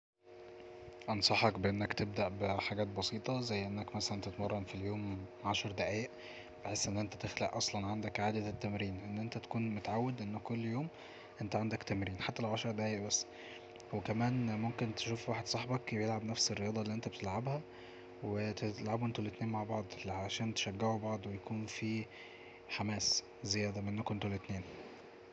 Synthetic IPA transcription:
ʔɑnsˤɑħɑkbeʔenːækt̪eb̚d̪æʔbeħaɡæːt̪̚bɑsˤiːt̪ˤɑzæjːʔenːækmæsælænt̪et̪mɑrˤːɑmfiljoːmʕaʃɑɾˤd̪æʕæːʔ | b̥eħeːsːʔenːʔent̪æt̪exlæ̰ʔʔɑsˤlɑnʕand̪ækʕaːd̪æt̪ːæmɾiːnʔenːʔent̪æt̪æ̥kuːnmot̪aʕawːed̪ʔenːækːolːjoːm | ʔent̪æʕand̪ækt̪æmɾiːnħat̪ːælʕaʃɑɾˤd̪æʕæːeʔbæsː | wekæmæːnmomkent̪e̥ʃuːfwaːħed̪sˤɑħbɑkbejelʕabnæfserːejɑːd̪ˤɑlːiʔent̪æbet̪elʕabhæ | wet̪elʕabʔent̪olet̪neːnmaʕbɑʕd̪ˤlʕaʃæːnt̪e̥ʃæɡːeʕubɑʕd̪ˤwejækuːnfiː | ħamæːs | zejæːd̪æmæʔenːkont̪olet̪neːn

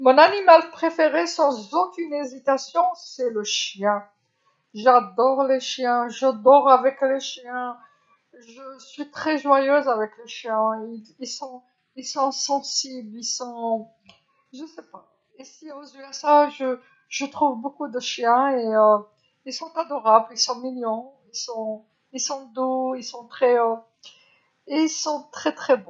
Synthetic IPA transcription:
mɔ̃nanimalpχefeʁesɑ̃zokʲynezit̪asjɔ̃sɛləʃjɛ̃ | ʒad̪ɔʁleʃjɛ̃ʒad̪ɔʁavɛkleʃjɛ̃ | ʒəsɥit̪χɛʒwajøzavɛkleʃjɛ̃ililsɔ̃ | ilsɔ̃sɑ̃siblilsɔ̃ | ʒəsɛpa | esiozjøasaʒə | ʒ̥ət̪χuvbokud̪əʃjɛ̃eø | ilsɔ̃t̪ad̪ɔʁablilsɔ̃miljɑ̃ | ilsɔ̃ | ilsɔ̃d̪oilsɔ̃t̪χɛø | eilsɔ̃t̪χɛt̪χɛbɔ̃

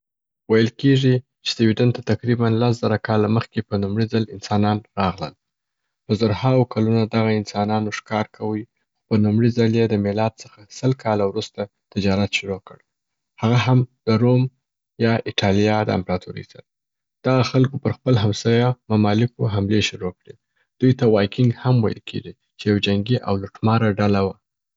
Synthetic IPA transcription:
wajəlkeʐi | t͡ʃe̥d̪əwiɖant̪at̪aqɾibanlasz̥aɾakɑlaməxkepənumɽizalɪnsɑnɑnɾɑɣlə̰l | pəzaɾhawokʰalunad̪aɣaɪnsɑnɑnoʂkɑɾkʰawəj | xopənumɽizəljed̪əmɪlɑd̪̚səxasəlkʰɑlawɾust̪a | t̪ɪd͡ʒɑɾat̪ʃʊɾokəɽ | haɣaɦamd̪əɾom | jɑʔɪʈʰɑlijɑd̪əa̰mpɾɑt̪uɾə̰jsa̰ɾa | d̪̥aɣaxalkopəɾxpəlɦamsɑjamamɑlɪkoɦamleʃʊɾokɽe | d̪̥ujt̪awɑjkɪŋɡhamwajə̰lkʰḛɡi | t͡ʃejawd͡ʒaŋɡiʔa̰wlʊʈmɑɾaɖalawa

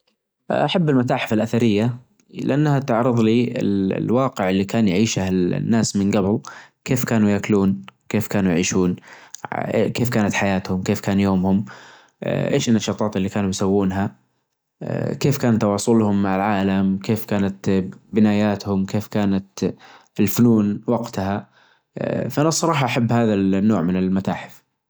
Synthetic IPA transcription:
ʔaħabːɪlmat̪aːħfɪlʔaθaɾɪjːa | lɪʔanːhat̪ɪʕɾɨðˤliːʔɪ̰l̰lwɑːqɪʕɪlːikaːnjʕiːʃahɪ̰nːaːsmɪnɡabɪl | keːfkaːnujakluːnkeːfkaːnujʕiːʃuːn | keːfkaːnat̪ħajaːt̪hʊmkeːfkaːnjoːmhʊm̰ | ʔḛːʃɪnːaʃɑːt̪ˤɑːt̪ɪlːikaːnujsawːuːnɦa̰ | keːfkaːnt̪ːɑwɑːsˤʊlhʊmːaʕɪlʕaːlamkeːfkaːnat̪bɪnaːjaːt̪hʊmkeːfkaːnat̪ | ɪlfʊnuːnwɑɡt̪ha | fʔanasˤːɑɾˤɑːħɑʔaħabːhaːðalnːoːʕmɪnɪlmat̪aːħɪ̥f

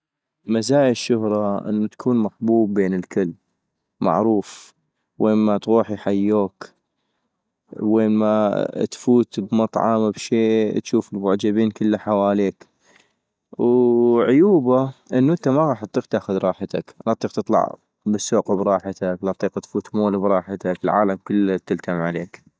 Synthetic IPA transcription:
mazaːjɪʃːʊhɾˤɑʔə̰nːut̪ḁkʰuːnmaħbuːbːeːnəlkɪlː | ma̰ʕɾuːf | weːnmat̪ɣuːħijħajːoːk | weːnmat̪fuːt̪bmɑt̪ˤʕɑ̰mabʃeːt̪ʃuːfɪlwʊʕd͡ʒabiːnkəlːaħawaːleːk | wʕʊjuːbaʔɪnːuʔənt̪amaɣɑːħɑt̪ˤːiːqt̪aːxʊðɾˤɑːħat̪a̰klɑt̪ˤiːq̚t̪ɨt̪ˤlɑ̰ʕ | bəsːoːqubɾˤɑːħat̪aklɑt̪ˤiːqat̪fuːt̪moːlbɾˤɑːħat̪akɪlʕaːlamkəlːt̪əlt̪ʰamʕaleːk

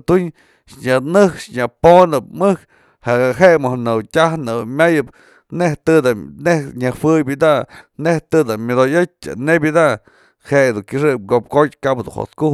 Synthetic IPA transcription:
t̪uɲ | ʃɲanɨhkʂɲaponɨp̚mɨhk | haʔɡaɦeʔmɨhnɨwtʲahnɨwmʲajɨp | neht̪ɨd̪anehɲahwɨjbid̪aʔneht̪ɨd̪amʲod̪ojot͡ʃ̚ʲːa̰nebʲid̪aʔ | heʔd̪uŋkʲɨʂ̬ɨp̚ɡop̚kot̪̚ʲkapd̪ṵnho̰t̪kuh

